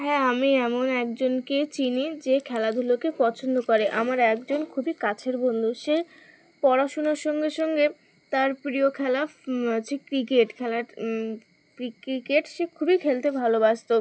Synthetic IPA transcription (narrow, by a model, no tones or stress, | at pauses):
ɦɛamiɛmonɛk̚d͡ʑonket͡ɕinid͡ʑekʰɛlad̪ʱulokepɔt͡ɕʰond̪okoɾeʔamaɾɛkd͡ʑonkʰubikat͡ɕʰeɾbond̪ʱuʃe | pɔɾaʃonoɾʃɔŋɡeʃɔŋɡe | t̪aɾpɾiokʰɛlat͡ɕʰikɾikeʈkʰɛlaɾ | kɾikɾikeʈʃekʰubikʰelt̪ebʱalobaʃt̪o